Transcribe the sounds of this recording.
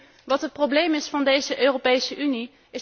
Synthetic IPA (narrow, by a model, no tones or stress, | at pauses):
ʋɑtɦətprowblejmɪsfɑndejzəʔøːrowpejsəʔyni | ɪs